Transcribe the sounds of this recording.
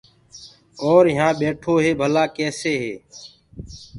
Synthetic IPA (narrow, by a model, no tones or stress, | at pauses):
oːɾɪɦãːɓeːʈʰoːɦeːbʱəlaːkeːseːɦeː